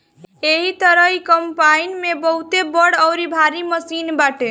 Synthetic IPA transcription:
eɦit̪əɾəikəmpainmebəɦut̪ebəɽəʊɾibʱaɾiməsinbaʈe

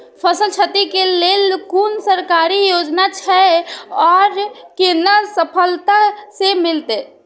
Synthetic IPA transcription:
pʰəsəlt͡ʃʰət̪ikelelkunsəɾkaɾijod͡ʒnat͡ʃʰɛɔːɾkenasəpʰəlt̪asemɪlt̪e

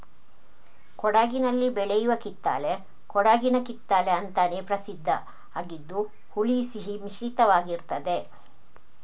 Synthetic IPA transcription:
kɔɽaːɡinɐlːibɛɭɛjuʋɐkit̪ːa̰ːle | kɔɽaːɡinɐkit̪ːaːleɐnt̪aːneːpɾɐsid̪ʱːɐ | aːɡid̪ːu | huɭisiɦimiʃit̪ɐʋaːɡiɾt̪ɐd̪e

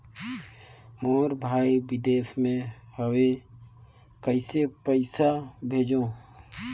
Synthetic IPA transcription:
moːɾbʱaːiwɪd̪eːsmẽhəwe | kəɪsepəɪsabʱeːd͡ʒõː

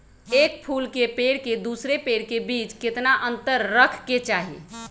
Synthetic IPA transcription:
ek̚pʰulkepeɽked̪usɾepeɽkebit͡ʃket̪naʔənt̪əɾːəkʰket͡ʃaɦḭ

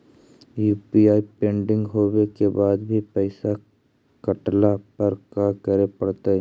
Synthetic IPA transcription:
juːpiaːipẽːɳɖɪ̃ŋɡɦoːwekebaːd̪bʱipɛːsa | kɐʈlapɐɾkakəɾepɐɽt̪aɛ

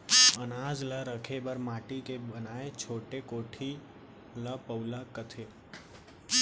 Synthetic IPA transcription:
ənaːd͡ʒləɾəkʰebəɾmaːʈikebənaːet͡ʃʰoːʈekoːʈʰi | ləpəʊləkət̪ʰe

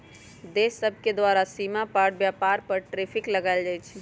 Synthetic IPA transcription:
d̪esəbʱked̪waɾasimapaɽbjapaɾpəɾʈɾepʰikləɡaɪld͡ʒajt͡ʃʰɛ

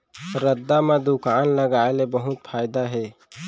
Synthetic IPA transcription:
ɾəd̪ːamẽd̪ʊkaːnləɡaːelebəɦʊt̪pʰaːɪd̪aɦɛː

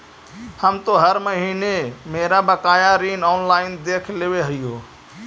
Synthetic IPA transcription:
həmt̪oɦəɾməɦiːnemeɾabəkaːjaɾinɔːnlaːɪnd̪eːkʰleʋeɦəijoː

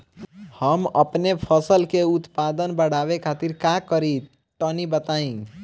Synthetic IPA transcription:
həmə̰pnepʰəsəlkeut̪pad̪ənbəɽ̤aʋekʰat̪iɾkakəɾit̪ | ʈənibət̪aĩ

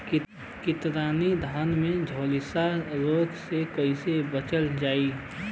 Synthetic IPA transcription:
kɪt̪ɾaːnid̪ʱaːnmẽd͡ʒʱoːlɪsaɾoːɡsekəɪsebət͡ʃəld͡ʒaːi

